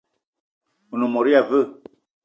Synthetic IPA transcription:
u˨nu˨mɔ˨ɾi˦a˨və˦˨

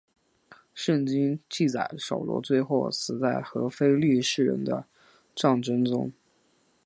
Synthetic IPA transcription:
ʂə˥˩nt͡ɕi˥ŋt͡ɕi˥˩t͡sa˨˩ɪʂo̰˨˩ʊlwɔ̰˧˥t͡swe˥˧ɪxo˥˩ʊsɹ̩˨˩t͡sa˥˩ɪxɤ˧˥fe˥ɪly˥˧ʂɻ̩˥˩ɻə̰˧˥nd̪ə̰˧ | ʈ͡ʂɑ˥˩ŋʈ͡ʂə˥nt͡sʊ̰˥ŋ

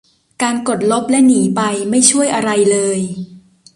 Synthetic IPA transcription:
kaː˧nko˨˩t̪̚lo˦˥p̚lɛ˦˥ʔniː˩˦pa˧jma˥˩jt͡ɕʰu˥˩əjʔa˧ɾa˧jlɤː˧j

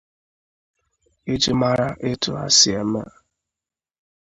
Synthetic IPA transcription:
e˦d͡ʒɪ˦ma˦ɾa˦ʔɪ˦tʊ˨a̰˦sɪ˨e˨m̩˦a̰˦

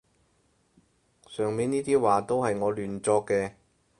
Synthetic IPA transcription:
sœː˨˩ŋmiː˨˧niː˥t̪iː˥waː˨˩t̪o˥whɐ˨jŋɔː˨˧lyː˨˩nt͡sɔː˧kːɛː˧

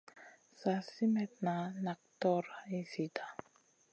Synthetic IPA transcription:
sa˨si˦mɛ˨t̪na˨na˨k̚t̪ɔ˦ɾaisi˨t̪a˨

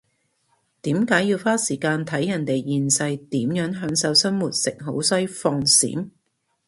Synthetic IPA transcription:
t̪iː˨˥mkaː˨˥jiː˧wfaː˥siː˨˩kaː˧nt̪ʰɐ˨˥jːɐ˨˩nt̪e˨jjiː˧nsɐ˧jt̪iː˨˥mjœː˨˥ŋɦœː˨˥ŋsɐ˨˥wsɐ˥nmuː˨t̚sɪ˨k̚ɦo˨˥wsɐ˥jfɔː˧ŋsḭː˨˥n

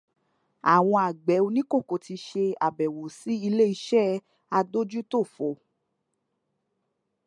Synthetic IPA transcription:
a˨w̃ɔ̃˧a˨ɡ͡bɛ˨˦o˧nĩ˦ko˦˨ko˨ti˧ʃe˧a˨bɛ˨wo˨si˨˦i˧le˦i˧ʃɛ˦˨ | a˧do˦d͡ʒu˦to˦˨fo˨

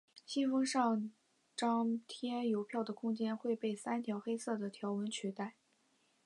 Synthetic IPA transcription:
ɕi˥nfɤ˥ŋʂɑ˥˩ŋ | ʈ͡ʂɑ˥ŋt̪ʰjɛ˥jo˧˥ʊpʰjɑ˥˩ʊd̪ə˩kʰʊ˥ŋt͡ɕjɛ˥nxwe˥˧ɪpe˥˩ɪsa˥nt̪ʰjɑ˧˥ʊxe˥ɪsɤ˥˩d̪ə˩t̪ʰjɑ˧˥ʊwə˧˥nt͡ɕʰy˧˥t̪a˥˩ɪ

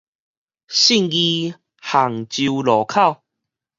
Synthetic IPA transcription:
ɕi˥˧˨ŋɡi˧ | ha˨˩ŋt͡ɕi˧lɔ˨˩kʰa˥˧˨w

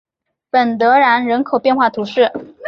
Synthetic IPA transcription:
pə˨˩nt̪ɤ˧˥ɻa˧˥nɻə˧˥nkʰo˨˩ʊpjɛ˥˧nxwa˥˩t̪ʰu˧˥ʂɻ̩˥˩

